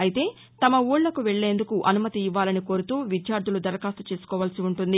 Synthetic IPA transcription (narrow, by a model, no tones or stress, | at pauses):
ɐjit̪e̞ː | t̪ɐmɐuːɽlːɐkuʋɛɭːe̞ːnd̪ukuʔɐnumɐt̪iːʋːaːlɐniko̞ːɾut̪uːʋid̪jaːɾd̪ʱulud̪ɐɾɐkaːst̪ɐ̥t͡ʃe̞ːsu̥kɔːʋaːlsiuɳʈund̪i